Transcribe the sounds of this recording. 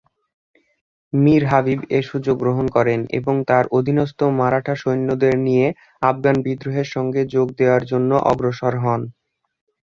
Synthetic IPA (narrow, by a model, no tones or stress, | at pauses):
miɾɦabibeʃud͡ʑoɡːɾoɦonkɔɾenḛboŋt̪aɾʔod̪ʱinɔst̪omaɾaʈʰaʃojnːod̪eɾnije | afɡanbid̪ɾoɦeɾʃɔŋɡed͡ʑoɡ̚d̪eoaɾd͡ʑonːoʔɔ̰ɡɾoʃɔɾɦɔn